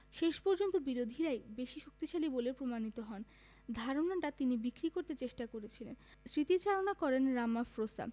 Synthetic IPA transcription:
ʃeʃpɔɾd͡ʑont̪obiɾod̪ʱiɾaebeʃiʃuk̚t̪iʃalibolepɾomanit̪oɦɔn | d̪ʱaɾonaʈat̪inibikɾikoɾt̪et͡ɕeʃʈakoɾet͡ɕʰilen | sɾit̪it͡ɕaɾonakɔɾenɾamafɾosa̰

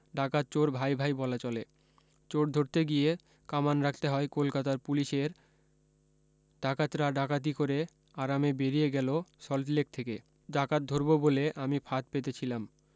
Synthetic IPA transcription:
ɖakat̪t͡ɕoɾbʱajbʱajbɔlat͡ɕɔle | t͡ɕoɾd̪ʱoɾt̪eɡie | kamanɾak̚ʰt̪eɦɔekolkat̪aɾpuliʃeɾ | ɖakat̪ɾaɖakat̪̬ikoɾe | aɾamebeɾijeɡɛlosɔlʈlek̚t̪ʰeke | ɖakat̪̚d̪ʱoɾboboleʔamifʰat̪̚pet̪et͡ɕʰilam

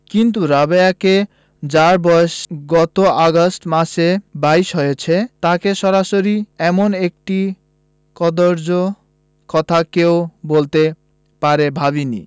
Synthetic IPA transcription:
kint̪̬uɾabeake | d͡ʑaɾbɔeʃɡɔt̪oaɡosʈmaʃebajʃɦojet͡ɕʰet̪akeʃɔɾaʃoɾiɛmonek̚ʈi | kɔd̪oɾd͡ʑo | kɔt̪ʰakeobolt̪e | paɾebʱaβinḭ

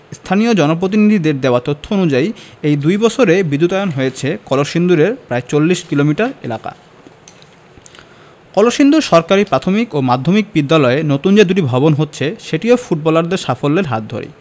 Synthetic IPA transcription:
st̪ʰanijod͡ʑɔnop̬ɾot̪̬inid̪ʱid̪eɾd̪eoat̪ot̪ʰːoonud͡ʑaiejd̪ujbɔt͡ɕʰoɾebid̪ːut̪aeonɦojet͡ɕʰekɔloʃind̪uɾeɾpɾaet͡ɕolːiʃkilomiʈaɾḛlaka̰ | kɔloʃind̪uɾʃɔɾkaɾipɾat̪ʰomikomad̪ʱomik̚bid̪ːalɔenot̪und͡ʑed̪uʈibʱɔbonɦotːɕʰeʃeʈiofuʈ̚bɔlaɾd̪eɾʃafolːeɾɦa̰t̪̚d̪ʱo̰ɾḭ

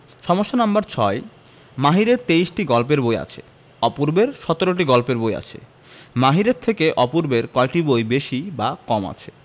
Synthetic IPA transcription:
ʃɔmoʃːanambaɾt͡ɕʰɔe | maɦiɾeɾt̪eiʃʈiɡɔlp̬eɾboja̰t͡ɕʰḛ | ɔpuɾbeɾʃɔt̪oɾoʈ̬iɡɔlpeɾboja̰t͡ɕʰḛ | maɦiɾeɾt̪ʰekeʔɔpuɾbeɾkɔeʈibojbeʃibakɔma̰t͡ɕʰe̥

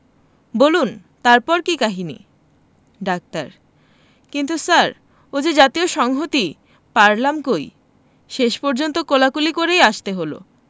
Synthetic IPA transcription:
bolun | t̪aɾpɔɾkikaɦinḭ | ɖak̚t̪aɾ | kint̪usaɾ | od͡ʑed͡ʑat̪ioʃɔŋɦot̪i | paɾlamkoj | ʃeʃpɔɾd͡ʑont̪okolakulikoɾejaʃt̪eɦolo̰

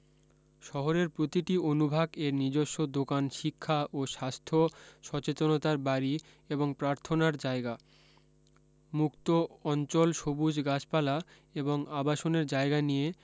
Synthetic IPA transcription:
ʃɔɦoɾeɾpɾot̪iʈionubʱaɡeɾnid͡ʑoʃːod̪okanʃikʰːaʔoʃast̪ʰoʃɔt͡ɕet̪onot̪aɾbaɾi | eboŋpɾaɾt̪ʰonaɾd͡ʑaeɡa | mukt̪oɔnt͡ɕolʃobud͡ʑɡat͡ɕpala | eboŋabaʃoneɾd͡ʑaeɡanije

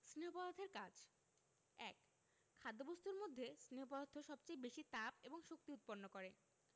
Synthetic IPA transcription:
sɾiopɔlat̪ʰeɾkad͡ʑ | ɛ̰k | kʰːad̪ːobost̪uɾmod̪ʱːesniopɔlad̪ʰʱːoʃɔbt͡ɕejbeʃit̪ap̚eboŋʃok̚t̪iut̪̚poɾnokoɾe

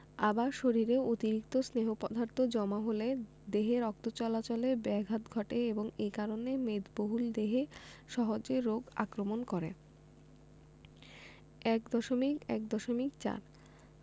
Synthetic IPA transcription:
abaɾʃoɾiɾeot̪iɾikt̪osneɦopɔd̪ʱaɾt̪ʰod͡ʑɔmaɦole | d̪eɦeɾɔk̚t̪ot͡ɕɔlat͡ɕolebɛɡʱat̪ɡʱɔʈeeboŋekaɾonemed̪boɦuld̪eɦeʃɔɦod͡ʑeɾːoɡa̰kɾomonkɔɾḛ | ɛk̚d̪ɔʃomikɛ̰kd̪ɔʃomikt͡ɕa̰ɾ

